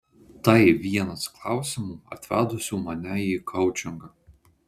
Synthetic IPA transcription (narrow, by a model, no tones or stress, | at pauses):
t̪ɐɪʋʲiɛnɐsklˠɑˑʊsʲɪmuːɐ̰t̪ʲʋʲæːd̪ʊsʲuːmɐnʲɛjiːkʰɐʊt͡ʃʲɪŋɡɐ